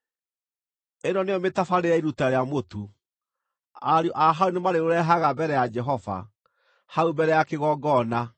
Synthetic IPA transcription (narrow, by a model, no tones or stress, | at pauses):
enɔneɔmetafaɾeɾɛiɾutaɾeamotu | aɾiɔʔaɦaunemaɾeɾoɾɛɦaɣabɛɾɛjad͡ʒɛɦɔva̰ | haubɛɾɛjakeɣɔɡɔna